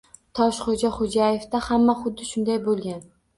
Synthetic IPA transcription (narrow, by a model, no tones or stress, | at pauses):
t̪ʰɒʃχod͡ʒaχod͡ʒajefd̪ahamːaχʊd̪ːɪʃʊnd̪ajbolˠɡʲan